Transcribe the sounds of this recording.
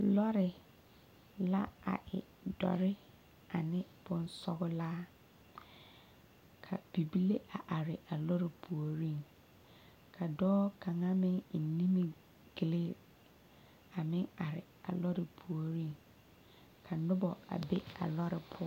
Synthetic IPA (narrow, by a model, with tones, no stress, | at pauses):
lɔ˦ɾɪ˨ | la˦a̰˨ʔɪ̰˨ | dɔ̰˨ɾɪ˦ | a˨nɪ̃˦b̥ʊ̃˦n̩˦sɔ˦ɡʊ˦la˦ | kʰa̰˨b̥i˨bi˦le˦ʔa˨ʔa˨ɾɪ˨ʔa˨lɔ˦ɾɪ˨pʰu˨o˨ɾĩ˦n | kʰa˨dɔː˦kʰã˨ŋã˦mɪ̃˦n̩˨nĩ˦mĩ˨ | ɡle˦ | a˨mɪ̃˦a˨ɾɪ˨ | a̰˨lɔ˦ɾɪ˨pʰu˨o˨ɾĩ˦n | kʰa˨nʊ̃˦bɔ˨a̰˨be˦a̰˨lɔ˦ɾɪ˨pʰʊ˦